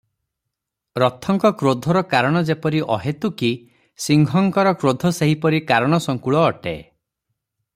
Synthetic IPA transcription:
ɾɔt̪ʰːɔŋkɔkɾod̪ʱɔɾɔkaɾɔɽ̃ɔd͡ʒepɔɾiʔɔɦet̪uki | siŋɡʱɔŋkɔɾɔkɾod̪ʱɔseɦipɔɾikaɾɔɽ̃ɔsɔŋkuɭɔːʈḛ

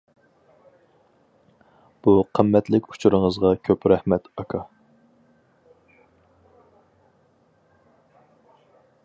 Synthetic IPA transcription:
b̥uqʰəmːɛt̪lɪkʲu̥t͡ʃʰuɾɨŋəzʁɑkʲʰøpɾɛhmɛt̪ɑkʰɑ

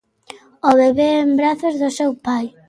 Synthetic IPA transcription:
oβeβeembɾaθozðʊsewpaj

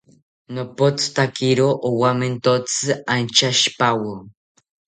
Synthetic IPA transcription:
nopot͡st̪akiɾoʔowament̪ot͡sɨant͡ʃaʃpawo

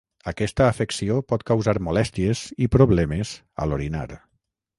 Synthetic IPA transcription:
əkɛst̪əːfeksiopɔt̪kawzaɾmulɛst̪iezipɾoβlɛmez | ə̰loɾina̰ɾ

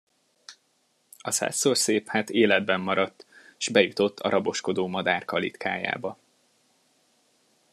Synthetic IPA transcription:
ɒsa̰ːsːoːrseːphaːt̪eːlɛd̪̚bɛmːɒɾɒt̪ːe̥ʒ̥bɛjut̪o̞t̪ːɒ̰ɾʔɒbo̞ʃko̞d̪oːmɒd̪aːrkɒlḭt̪kʰa̰ːja̰ːbɒ

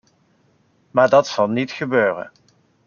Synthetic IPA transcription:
maːɹdɑtsɑlˠnitχəbøːrə̰n

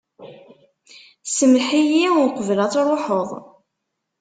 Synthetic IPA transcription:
səmħijiʊɾqəvlæt͡sːɾˤoħəðˤ

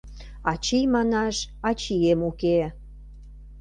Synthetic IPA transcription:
ɑt͡ɕijmɑnɑʃɑt͡ɕiemuke

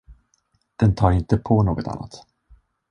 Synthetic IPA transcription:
d̪̥ɛnt̪ʰɑːɾɪnt̪əpʰɔnoːɡɔt̪ʰa̰nːa̰t̪

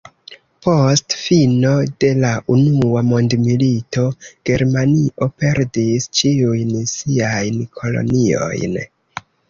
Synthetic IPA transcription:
po̞stfino̞de̞laʔunuamo̞ndmilito̞ɡ̥e̞ɾmaniʔo̞pe̞ɾdist͡ʃiujnsiajnkʰo̞lo̞̰nio̞̰jn

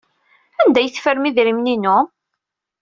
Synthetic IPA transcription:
ænd̪æjəθfəɾmiðɾimninʊ

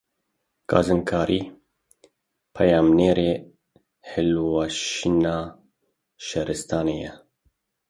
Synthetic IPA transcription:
kʰɑ̰ːzɨnkʰɑːɾʔiː | pʰɛjɑːmneːɾeː | hɪlwɑːʃinɑː | ʃɛɾɨst̪ʰɑːneːjɛ̰

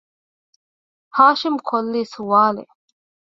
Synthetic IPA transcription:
haːʃimkʰolːiːsuʋaːlḛ

